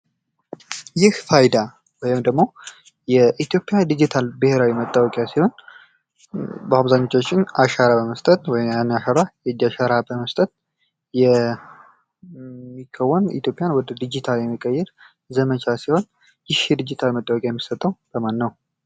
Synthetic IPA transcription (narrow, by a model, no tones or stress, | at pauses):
jɪhfajd̪a | wɔjɪmd̪əɡmo̞ | jɛʔit̪ʰjo̞pʼːjad̪id͡ʒit̪ʰalbɨheɾawimət̪ʼːawɔkʼjasiho̞n | bəaβzaɲːo̞t͡ʃːot͡ʃːɪnaʃaɾabəməst̪ʼət̪wɔjɪmanːaʃaɾajɛdaʃaɾabəməst̪ʼət̪̚ | jɛ | mːikʰːəwːɔnḭt̪jo̞pʼːjanwɔd̪əd̪id͡ʒit̪ʰaljɛmːikʼːəjːɛɾ | zəmət͡ʃʰasiho̞n | jɪhd̪id͡ʒit̪ʰalmət̪ʼːawɔkʼjajɛmːisət̪ʼːəwb̥əmanːəw